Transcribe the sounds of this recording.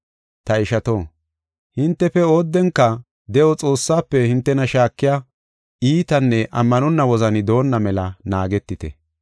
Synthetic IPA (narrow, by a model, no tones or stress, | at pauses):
t̪ɐɪʃɐt̪oː | hɪnt̪ːɛfɛoːd̪ːɛŋkːɐ | d̪ɛʔɔt͡sʼo̞ːsːaːpːɛhɪnt̪ːɛnɐʃaːkːɪja | iːt̪ɐnːɛʔɐmːɐnɔnːɐwɔzɐnɪd̪o̞ːnːɐmɛlɐnaːɡɛt̪ːɪt̪ɛ̰